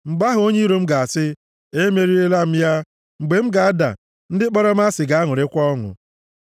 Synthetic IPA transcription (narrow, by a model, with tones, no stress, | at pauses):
ŋ͡m̩˨ɡ͡ba˦ɦʊ˨˦o˦ɲe˦ɾo˦m̩˦ɡa˨a˨sɪ˦ | e˦me˦ɾi˦e˦la˦m̩˦ja˦ | ŋ͡m̩˨ɡ͡be˨m̩˦ɡa˨a˦da̰˨ | n̩˦dɪ˦k͡pɔ˦ɾɔ˦m̩˦a˦sɪ˨ɡa˨˦a˦ŋʊ˨ɾɪ˦kʷɔ˦ŋʊ̰˨